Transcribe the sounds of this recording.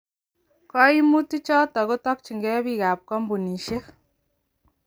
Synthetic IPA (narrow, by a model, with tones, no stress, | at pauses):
kɔ˦i˦mu˦ti˦t͡ʃɔ˦tɔ˨ɣo˦tɔ˦kt͡ʃi˨ŋɡe˦βi˦˨ɣa˨p̚kɔ˦mbu˨ni˨ʃe˦